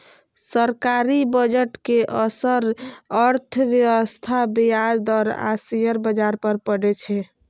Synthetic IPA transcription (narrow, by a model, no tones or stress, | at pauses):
səɾkaɾibəd͡ʒəʈkeʔəsəɾəɾt̪ʰʋjəwəst̪ʰabejad̪ɔːɾa̰sijəɾbəd͡ʒaɾpəɾpəɽɛt͡ʃʰɛ